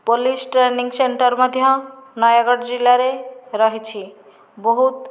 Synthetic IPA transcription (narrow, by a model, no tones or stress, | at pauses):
polisʈɾeniŋɡseɳʈəɾmɔd̪ʱjʌnajaɡɔɽd͡ʒilaɾeɾɔɦit͡ʃʰi | bɔɦut̪